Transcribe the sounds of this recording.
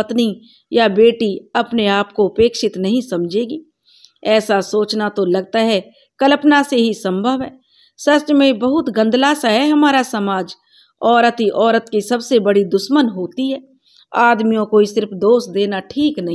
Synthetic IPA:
pɐt̪ni | jabeːʈiɐpneaːp̚koɐpeːkʃɪt̪nɐɦĩsɐmd͡ʒʱeːɡiː | ɛːsasoːt͡ʃnat̪olɐɡ̚t̪aɦɛ | kɐləpnaseɦisɐ̃mbʱəʋɦɛː | sɐst͡ʃmẽbɐɦʊt̪ɡə̃nd̪lasaɦɛɦɐmaːɾasɐmaːd͡ʒ | ɔːɾət̪ɦiʔɔːɾət̪kisɐbsebɐɽid̪ʊʃmənɦoːt̪iɦɛː | aːd̪mijõkoisɪɾfd̪oːsd̪eːnaʈʰiːknɐɦĩ

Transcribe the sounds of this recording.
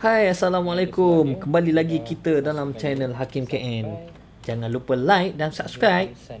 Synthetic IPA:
hajasalamalakumkəmbalilaɡikit̪ədalamt͡ʃɛnəlɦakimkɛʔɛn | d͡ʒaŋãnlupəlajk̚dansap̚skɾajp̚

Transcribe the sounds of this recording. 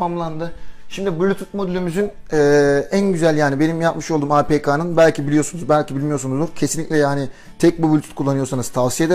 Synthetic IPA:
amlˠand̪ɯʃimd̪ibulʲut̪ut̪̚mo̞d̪ylʲymyzyn | ɛːænɟyzælʲjaːnibe̞nimjapmɯʃolˠd̪uːmapeːkʰanɯnbælʲcʰibilʲijo̞sunuzbælʲcʰibilʲmijo̞ɾsunuzd̪uɾcʰe̞sinlʲiclʲɛjaːni | t̪ʰɛc̚bubulʲut̪ʰut̪̚kʰulˠːanɯjo̞ɾsanɯz̥t̪ʰavsije̞d̪e

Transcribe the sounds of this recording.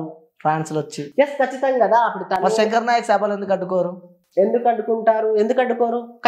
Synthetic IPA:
pʰɾaːɳslɐt͡ʃːijeskɐt͡ʃːit̪ɐŋɡikɐd̪aːɐpːuɽut̪aːmɐʃeɛŋkɐɾnaːjɐkusɛbɐle̞nd̪ukɐɖːukoːɾu | e̞nd̪ukɐɖukuɳʈaːɾue̞nd̪ukɐɖːukoːɾukɐ

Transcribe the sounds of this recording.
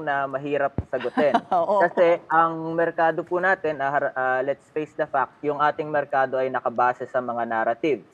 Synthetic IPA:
nɐmɐɦiːɾɐp̚sɐɡot̪ɛnkɐsɛʔɐŋmɛɾkaːd̪opunaːt̪ɪnɐɐɾʔalɛt̪sfejsd̪ɐfak̚t̪jʊŋʔaːt̪ɪŋmɛɾkaːd̪o̞ʔɐjnɐkɐbaːsɛsɐmɐŋanaːɾɐt̪iv

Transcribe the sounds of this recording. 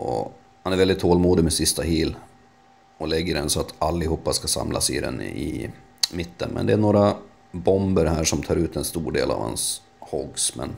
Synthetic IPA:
ʔɔ̰ | hanæɾvɛld̪ɪt̪ʰːoːlmuːd̪ɪɡmɛsɪst̪aɦiːl | ɔlɛɡːəɖɛnsɔat̪alːɪhuːpːaskasa̰mlʔa̰sɪd̪ɛ̰nɪ | mɪt̪ːənmɛ̰nd̪ɛæɳoːɾa | bɔmbəɾɦæːʂɔmt̪ʰɑːɾʉ̟ːt̪ɛnst̪uːɖeːla̰vha̰ns | hɔɡsmɛ̰n

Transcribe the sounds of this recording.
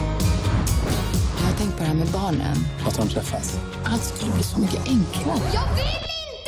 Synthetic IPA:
jɑːhat̪ʰɛŋkt̪̚pʰɔd̪ɛhæɾmɛbɑːɳə̰nat̪hɔnpʰɾɛfɛs | ʔalt̪skɵlːəbliːsɔmʏkːəʔɛŋkʰlajveːtɪ

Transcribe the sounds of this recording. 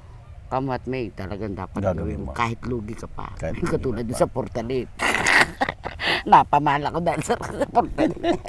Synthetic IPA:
kamat̪̚meit̪alaɡand̪a̰panawikaɦit̪luɡikəpa̰kət̪ulat̪̚usapɔrt̪alit̪̚ | napamalakɔdalsərpɔrt̪ali

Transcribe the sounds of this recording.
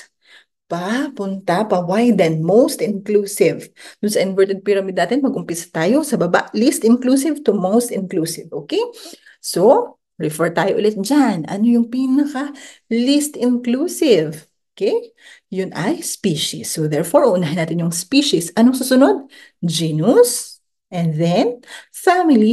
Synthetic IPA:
pɐpʊnt̪apɐwajd̪ɛnmowst̪ɪnklusɪvd̪̥ʊnsɐʔɪnvɛɹt̪ɛd̪̚pɪɾɐmid̪naːt̪ɪnmɐɡʔʊmpɪsɐ̥t̪aːjo̞sɐbɐba̰ʔlist̪ɪnkluːsɪvt̪ʊmowst̪ɪnklusɪvʔoːkej | so | ɹɛfɛɹt̪aːjoʔʊlɛt̪̚d͡ʒanʔɐ̰nojʊŋpinɐkɐlist̪ɪnklusɪv | okɛj | jʊnʔɐjspiːʃɪ̰sːod̪ɛɹfoɹʔʊhʊnaːhɪnaːt̪ɪnjʊŋspiːʃɪsʔɐnoŋsuːsʊnod̪̚ | d͡ʒinus | ʔɛnðɛn | samɪli

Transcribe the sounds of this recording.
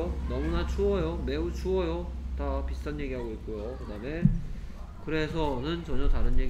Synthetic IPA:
onʌmunat͡ɕʰuʌjome̞ut͡ɕʰuʌjotapist͈anje̞ɡiɦaɡoik̚k͈ujokɯdaːme̞ | kɯɾe̞s̬ʰʌnɯnt͡ɕʌɲʌtaɾɯnjeɡ

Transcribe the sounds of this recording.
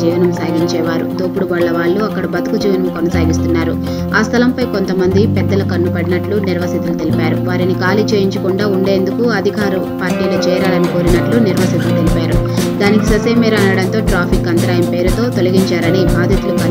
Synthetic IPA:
d͡ʒiːʋɐnɐmsaːɡiɲt͡ʃɛːʋaːɾṵd̪oːpuɽuʋaːɭːɐʋaːɭːuɐkːɐɽɐbɐt̪ɐ̥kud͡ʒiːʋɐnɐmkɔnɐsaːɡist̪unːaːɾu | aːst̪ʰɐlɐmpɐjkont̪ɐmɐnd̪ipɛd̪ːɐlɐkɐnːupɐɽinɐʈluniɾʋɐsit̪ulut̪elipaːɾuʋaːɾinikaːlit͡ʃeːjiɲt͡ʃɐkuɳɖaːuɳɖe̞ːnd̪ukuɐd̪ʱikaːɾɐpaːɾʈiːlɐt͡ʃɛːɾaːlɐnikoːɾinɐʈluniɾʋɐsit̪ulut̪elipaːɾṵd̪aːnikisɐseːmɛːɾɐːnɐɽɐnt̪o̞ːʈɾaːpʰikɐnt̪ɐɾaːjɐmpe̞ːɾut̪o̞ːt̪o̞lɐɡiɲt͡ʃaːɾɐnibʱaːd̪ʱjɐt̪ulukɐ

